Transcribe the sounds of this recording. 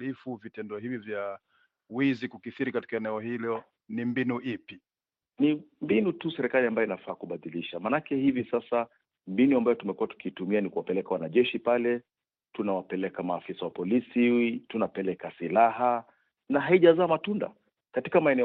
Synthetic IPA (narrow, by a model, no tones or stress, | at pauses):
lifuvitɛndɔɦivivja | wizikukiθiɾikati̥kaɛnɛɔhilɔ | nimbinuʔipi | nimbinutusɛɾɛkaliambajɔinafaːkuɓaðiliʃamanakɛhivisasa | mbinuambajɔtumɛkuwatu̥kiːtumianikuwapɛlɛkawanaʄɛʃipalɛ | tunawapɛlɛkamaːfisawapɔlisiwitunapɛlɛkasilaɦa | naɦaiʄazaːmatunda̰ | katikamaɛnɛ